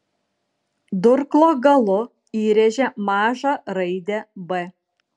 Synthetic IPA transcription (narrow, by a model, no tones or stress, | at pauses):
d̪ʊɾklˠoːɡɐlˠʊ | iːɾʲɛʒʲɛmɑːʒɑɾɐɪd̪ʲɛbɛ